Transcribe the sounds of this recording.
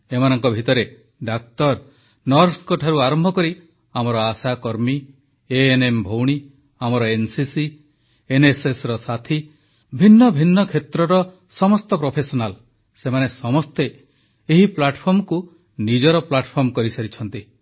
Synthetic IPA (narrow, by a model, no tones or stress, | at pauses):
emanɔŋkɔbʱit̪ɔɾe | ɖak̚t̪ɔɾ | nɔɾskɔʈʰaɾuaɾɔmbʱɔkɔɾi | amɔɾɔasakɔɾmi | eenembʱowɽ̃i | amɔɾɔensisi | enesesɾɔsat̪ʰi | bʱinːɔbʱinːɔkʰet̪ɾɔɾɔ | sɔmɔst̪ɔpɾopʰesɔnal | semanesɔmɔst̪eː | ɦiplaʈʰpʰɔɾmɔku | nid͡ʒɔɾɔplaʈpʰɔɾmɔkɔɾisaɾit͡ʃʰɔnt̪i